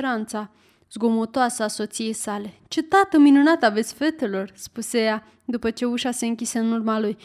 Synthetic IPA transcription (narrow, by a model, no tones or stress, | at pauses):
ɾant̪sa | z̥ɡo̞mot̪oasəaso̞t̪sije̞jsale̞t͡ʃet̪at̪əminunat̪ave̞t̪sʲfe̞t̪e̞lo̞rspuseja | d̪upət͡ʃe̞uʃase̞ɨŋkʲiseɨnurmaluj